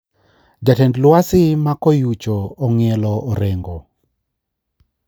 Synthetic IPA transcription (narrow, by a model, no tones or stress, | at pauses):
d͡ʒatɛndlwasɪmakɔjut͡ʃoːŋɛlɔʔːɾɛŋɡɔ